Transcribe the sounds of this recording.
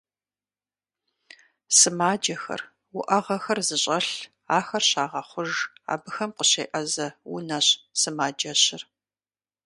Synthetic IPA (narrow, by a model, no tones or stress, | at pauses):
sɨmaːd͡ʒɐxɐ̰r | wʊʔɐʁɐxɐrzɨɕʼɐɬ | aːxɐrɕaːʁɐχʷʊʒa̰ːbɨxɐmqəɕeːʔɐzɐwṵnɐɕsɨmaːd͡ʒɐɕɪr